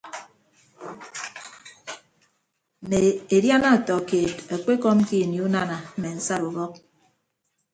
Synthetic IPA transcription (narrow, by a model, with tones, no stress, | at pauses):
ne˨e˨dja˦na˦˨tɔ˨ke˨ta˨k͡pe˦kɔ˦m˦ki˦˨ni˨˦u˦na˦na˨m̩˦me˨n̩˦sa˦ɾu˨bɔ˦k̚